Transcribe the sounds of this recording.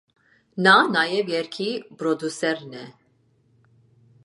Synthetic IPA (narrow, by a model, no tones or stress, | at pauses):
nanajɛvjɛɾkʰibɾɔd̪usɛɾnɛ